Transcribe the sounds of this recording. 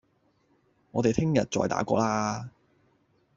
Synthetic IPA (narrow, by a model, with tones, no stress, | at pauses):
ŋɔː˨˧t̪e˨jt̪ʰɪ˥ŋjɐ˨t̚t͡ʃt͡sɔ̰ː˨jt̪a̰ː˨˥kʷɔ̰ː˧laː˥